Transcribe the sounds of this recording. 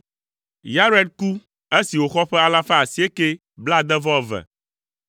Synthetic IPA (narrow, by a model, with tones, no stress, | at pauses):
ja˦ɾɛ˦d̪̚ku˦ | e˦si˨wo˨xɔ˦ɸɛ˦a˦˨la˦fa˦a˨si˨˦e˦ke˦ | bla˦d̪ɛ˦vɔ˦˨vɛ̰˨